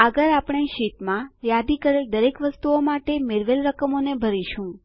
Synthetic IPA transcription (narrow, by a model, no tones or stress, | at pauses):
əɡəɾapɳ̃eʃit̪mãjad̪ikəɾeld̪əɾekʋəst̪uomaʈemeɾʋelɾəkəmonebʱəɾiʃũ